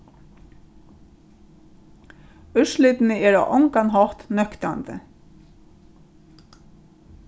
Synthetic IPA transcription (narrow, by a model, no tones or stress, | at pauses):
ʏʃlɪt̪nəɛɹa̰ʔɔŋkanɦɔht̪nœkt̪ant̪ə̰